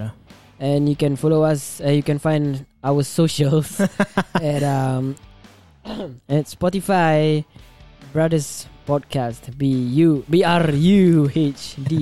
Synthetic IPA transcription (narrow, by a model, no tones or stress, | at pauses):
ɛ̃njukɛ̃nfɔloasɛ̃jukɛ̃nfãjndawəsoʃəls | ɛ̃tam | ɛtspɔtifaj | bɹadəspɔd̚kʰastbiubiaɹjuet͡ʃdi